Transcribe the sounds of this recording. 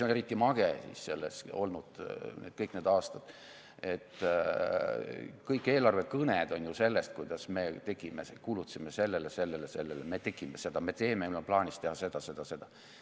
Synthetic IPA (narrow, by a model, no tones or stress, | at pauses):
seoneɾit̪ˑːimɑɡ̥esḭsse̞lːḛso̞̰lnud̪̥nḛd̪̥kɤjkned̪ɑːst̪ɑd̪̥ | e̞t̪ː | kɤjkːˑeːlɑrvekɤned̪̥o̞nʲjuse̞lːest̪̚kujd̪̥ɑsme̞ːt̪e̞ɡ̥imeskuːlut̪ːsimese̞lːelese̞lːelese̞lːeleme̞t̪e̞ɡ̥imese̞d̪̥ɑme̞t̪e̞ːmeylːomplɑːnʲist̪e̞hɑse̞d̪̥ɑse̞d̪̥ɑse̞d̪̥ɑ